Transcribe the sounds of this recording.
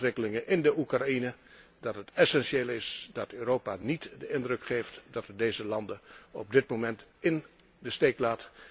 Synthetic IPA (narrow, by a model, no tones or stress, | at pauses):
tʋɪkəlɪŋəʔɪndəʔukrainədɑtɦətɛsɛnʃeːlˠɪsdɑtøːroːpanitdəɪndrɵkχeːjftdɑtədejzəlɑndəɔ̰b̚dɪt̚momɛntɪn | dəsteːklaːt